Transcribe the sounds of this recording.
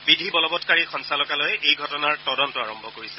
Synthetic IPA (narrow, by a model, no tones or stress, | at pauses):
bidʱibɔlɔbɔtkaɹixɔnsalɔkalɔjejɡʱɔtɔnaɹtɔdɔntɔaɹɔmbʱɔkoɹisɛ̥